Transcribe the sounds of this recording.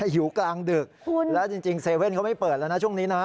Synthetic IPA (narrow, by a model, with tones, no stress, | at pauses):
juː˩˦klaː˧ŋdɯ˨˩k̚ʰu˧lɛː˦˥wt͡ɕi˧ŋt͡ɕi˧ŋseː˧we˥˩nkʰa˦˥ma˥˩jpɤː˨˩t̪̚lna˦˥t͡ɕʰu˥˩ŋniː˦˥na˦˥